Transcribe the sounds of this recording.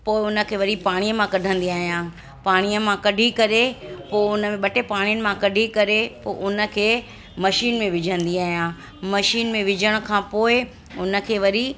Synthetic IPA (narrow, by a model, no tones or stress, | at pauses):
poːɪʊnə̆kʰeːʋɐɾipaːɽ̃iːəmãkɐɖʱə̃n̆d̪iaːɦijãː | paːɽ̃iəmãkɐɖʱikɐɾepoːɪʊnəmẽɓɐʈepaːɽ̃jənɪ̆mãkɐɖʱikɐɾepoːʔʊnə̆kʰeː | mɐʃiːnmẽʋɪd͡ʑʱə̃nd̪iaːɦijãː | mɐʃiːnmẽʋɪd͡ʑʱəɽ̃̆kʰãːpoːɪ | ʊnə̆kʰeːʋɐɾi